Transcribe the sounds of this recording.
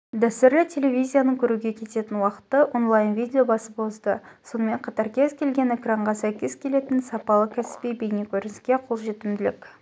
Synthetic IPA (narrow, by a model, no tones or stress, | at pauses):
d̪æst̪ɪɾlɪt̪ʲʰe̞levʲizʲijanəŋkʲʰɵɾuɡʲe̞kʲʰe̞t̪e̞t̪ɪnwɑqə̥t̪ːəʔo̞nlˠɑjnvijd̪ʲe̞o̞bɑsəpo̞zd̪əso̞nəme̞ɴqʰɑt̪ɑɾkʲʰe̞zkʲʰe̞lɡʲe̞ne̞kraɴʁɑsæjkʲez̥kʲʰe̞le̞t̪ɪnsɑpɑlˠəkʲʰæsɪ̥pijbejnekʲʰɵɾɪnskʲe̞qʰo̞lˠʒe̞t̪ɪmd̪ɪlɪ̰kʲ